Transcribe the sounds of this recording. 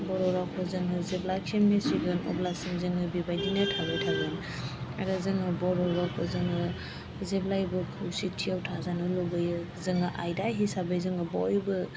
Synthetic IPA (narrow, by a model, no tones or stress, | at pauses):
bɔɾɔɾakʰɔzɯŋɯzeblakʰemesiɡɯnɔ̰blasimzɯŋɯbibajdinɯtʰabɯjtʰaɡɯn | aɾɯzɯŋɯbɔɾɔɾakʰɔzɯŋɯ | zeblajbɯkʰɯwsitʰijawtʰazanɯlɔbɯjɯ | zɯŋaʔa̰jdaɦisabɯjzɯŋɡɯbɔjbɯ